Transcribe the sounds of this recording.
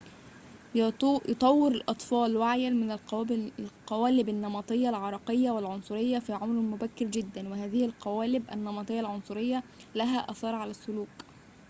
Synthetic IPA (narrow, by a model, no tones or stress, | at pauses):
jt̪ˤɑwːɪɾɪlʔɑt̪ˤfɑːlwaʕjælmɪnl | qɑwæːlɪbɪnːɑmɑt̪ˤɨjːɑlʕɑɾˤɑqejːɑwɪlʕonsˤʊɾɪjːɑfiːʕomɾmʊbækːɪɾd͡ʒɪd̪ːænwɪhæːðɪhɪlqɑwæːlɪbʔæ̰nːɑmɑt̪ˤɨjːɑlʕonsˤʊɾɪjːɑlæɦæːʔɑθɑːɾˤʕalæsːʊluːk